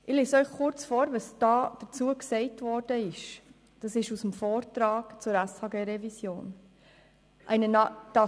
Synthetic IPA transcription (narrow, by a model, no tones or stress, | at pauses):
ʔɪleːsœʏχkʊɾt͡sfɔːɾʋɑsd̥ɑːd̥ət͡suəksɛɪtvɔːɾd̥əɪʃ | d̥ɑsɪʃusəmfoːrtɾɑːɡ̥t͡sʊɾæshɑːɡeːɾɛvisjoːn | ʔæɪnənɑd̥ɑ